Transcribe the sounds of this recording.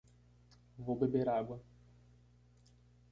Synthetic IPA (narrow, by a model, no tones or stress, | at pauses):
vobebeɾaɡwɐ